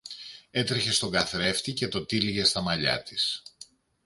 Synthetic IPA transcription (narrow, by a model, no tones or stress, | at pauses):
e̞t̪ɾeçe̞st̪o̞ɡɐθɾe̞ft̪ice̞t̪o̞t̪iliʝe̞st̪ɐmɐʎɐ̰t̪is